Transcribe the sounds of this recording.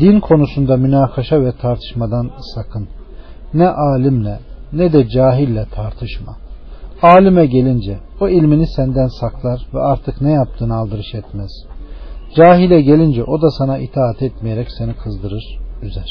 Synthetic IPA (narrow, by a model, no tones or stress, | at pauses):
d̪inkʰo̞nusund̪amynaːkʰaʃavɛt̪ʰaɾt̪ʰɯ̥ʃmad̪ansakʰɯnː | ɛʔaːlʲimlʲɛnɛd̪ɛd͡ʒaːɦilʲːɛt̪ʰaɾt̪ʰɯʃma̰aːlʲimɛɟe̞lʲind͡ʒɛoilʲminisænd̪ænsaklˠaɾvɛ̰aɾt̪ʰɯknɛjap̚t̪ʰɯːnalˠd̪ɯɾɯʃɛt̪mɛz̥d͡ʒaːɦilʲɛɟe̞lʲind͡ʒɛʔo̞d̪asanait̪ʰaːat̪ʰɛt̪mijeɾɛcse̞nikʰɯzd̪ɯɾɯɾ̥yzæɾ̥